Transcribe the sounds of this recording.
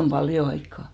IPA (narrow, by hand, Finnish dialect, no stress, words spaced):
om b̥ɑljo ɑikːɑˑ